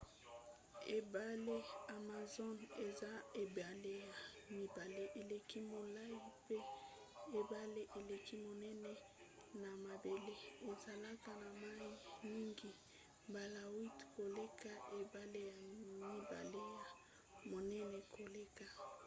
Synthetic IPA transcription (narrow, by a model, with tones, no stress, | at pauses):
e˨ba˨le˦a˨ma˨zo˦ne˨za˦e˨ba˨le˦ja˨mi˨ba˨le˦ʔe˨le˨ki˦mo˨la˦ji˦pe˦ | e˨ba˦le˦ʔe˨le˨ki˦mo˨nɛ˦nɛ˦ | na˨ma˨be˨le˦e˨za˨la˦ka˦˨na˨ma˦ji˦˨mi˦ŋɡi˨ | ba˨la˨wi˦tko˨le˦ka˦ʔe˨ba˦le˦ja˨mi˦ba̰˨le˦ja˨ | mo˨nɛ˦nɛ˨kʰo˨le˦ka˨